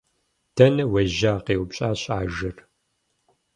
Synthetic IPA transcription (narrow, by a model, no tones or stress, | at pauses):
tʰɐnɐwɐʒaːqeːwpɕʼaːɕʼaːʒɐr